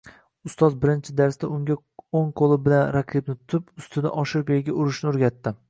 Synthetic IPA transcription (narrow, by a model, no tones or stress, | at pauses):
ʊst̪ɒzbɪɾɪnt͡ʃʰɪd̪aɾst̪aʊŋɡʲa | oŋqʰolˠɪbɪlanɾaqʰibnɪt̪ʰʊt̪ʰɪpʊst̪ɪd̪a̰ʔɒʃɪɾkʲojɪɡʲaʊɾɪʃnɪoɾɡʲat̪ːɪ